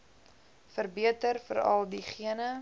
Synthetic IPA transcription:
fərbiətərfə̰ɾɐ̰lˠdiχiənə

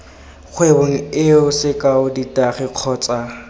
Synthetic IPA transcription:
k͡xʰwebʊŋ̩ɪʊsɪkʼaʊditʼaχɪq͡χʰɔːt͡sʼa

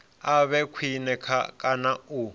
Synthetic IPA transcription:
aβɛkʰwinɛkʰakʼanau

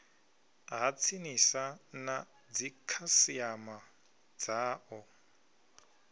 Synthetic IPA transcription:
ɦat͡sʰinisana | d͡zikʰasiama | d͡zaːʔɔ

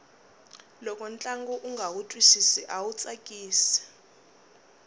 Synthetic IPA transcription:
lɔkʼɔnt͡ɬʼaŋɡɔʔuŋɡʱawutʼwisisiʔawut͡sʼakʼiːsi̥

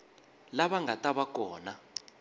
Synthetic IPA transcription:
laβaŋatʼaβak̬ʼɔːna

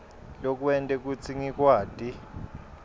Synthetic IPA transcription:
lok̬uɛntʼɛk̬ut͡sʰiŋik̬ʼwaːd̥ʱʼi

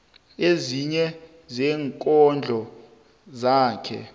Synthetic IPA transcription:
eziɲɛ | zɛːŋkʼɔnd͡ɮʱɔ | zaːkʰɛ̰

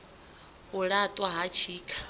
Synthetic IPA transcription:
uɺat̪ʼwaɦat͡ʃʰiːkʰḁ

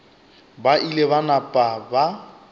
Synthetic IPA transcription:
baʔileβanapʼaba

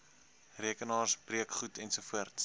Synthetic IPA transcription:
riəkənɑːrsbriəkχutɛnsufuərts

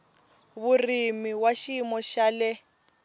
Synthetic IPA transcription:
βurimiwaʃimɔʃalɛ

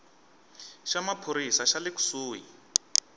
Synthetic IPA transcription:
ʃamapʰoɾisaʃalɪku̥suːjḭ

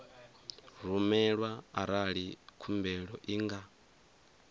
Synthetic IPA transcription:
ɺumɛɺwaaɾaɺikʰumbɛɺɔʔiŋɡa

